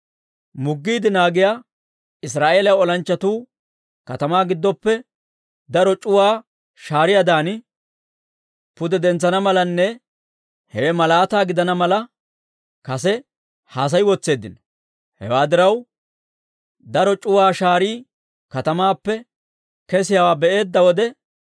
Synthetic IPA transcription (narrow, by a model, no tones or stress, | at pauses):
mʊɡːiːd̪ɪnaːɡɪjaː | ɪs̬ɾaːʔeːlɐjɔlɐnt͡ʃːɐt̪uː | kɐt̪ɐmaːɡɪd̪ːɔpːɛ | d̪ɐɾɔt͡ʃʼʊwaː | ʃaːɾɪjad̪aːnɪ | pʊd̪ɛd̪ɛnt͡sːɐnɐmɐlɐnːɛ | hɛwɛmɐlaːt̪aːɡɪd̪ɐnɐmɐlɐ | kɐsɛ | haːs̬ɐjwɔt͡sːe̞ːd̪ɪnɔ̥ | hɛ̰waːd̪ɪɾɐw | d̪ɐɾɔt͡ʃʼʊwaːʃaːɾiː | kɐt̪ɐmaːpːɛ | kɛs̬ɪjawaːbɛʔe̞ːd̪ːɐwɔd̪ɛ